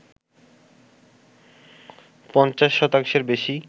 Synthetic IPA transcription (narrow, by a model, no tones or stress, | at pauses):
pɔnt͡ɕaʃːɔt̪aŋʃeɾbeʃi